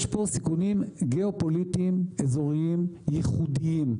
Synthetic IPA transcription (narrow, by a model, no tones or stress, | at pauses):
ʃposikunimɡeopolit̪imezo̞ʁiimjiχud̪iim